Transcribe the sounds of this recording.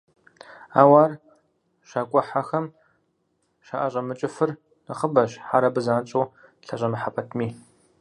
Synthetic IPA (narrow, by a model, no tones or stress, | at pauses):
a̰ːwaːr | ʃaːkʷʼɔħaxɐm | ʃa̰ʔɐʑʼɐmɨt͡ʃʼɪfɨr | nɨχəbɐɕħaɾɐbɨzaːnt͡ʃʼoːɬɐɕʼɐmɨħapʰɐtʰmiː